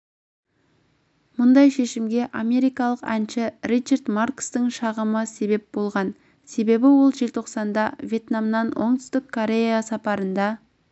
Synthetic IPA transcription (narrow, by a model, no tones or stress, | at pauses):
mʊnd̪ɑjʃe̞ʃɪmɡʲe̞ʔa̰me̞ɾijkɑlˠəqænʃɪrit͡ʃard̪markst̪əŋʃɑʁəməse̞βe̞p̚bo̞lˠʁɑn | se̞be̞bɪwolˠʒelt̪ʰo̞qsɑnd̪ɑvʲje̞t̪namnɑnwo̞̰ɴt̪ʏ̥st̪ɪkʰːo̞ɾʲe̞jasɑpɑɾənd̪ɑ